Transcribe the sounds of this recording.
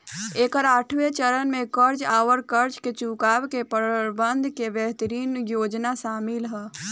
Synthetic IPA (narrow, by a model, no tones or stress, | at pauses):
eːkəɾaːʈʰʋet͡ʃəɾənmẽkəɾd͡ʒaːʋəɾkəɾd͡ʒket͡ʃukaːʋkepəɾbənd̪ʱkebjəɦt̪əɾiːnjoːd͡ʒnasaːmilɦɛ